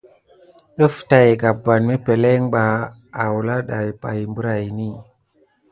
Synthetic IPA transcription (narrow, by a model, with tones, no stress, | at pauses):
ɗə˦fta˨jɡa˨bːa˨nme˦pe˨le˦ŋɓaː˨ | wu˨la˦ɗa˨jpa˨jmbə˦ɾa˨jni˦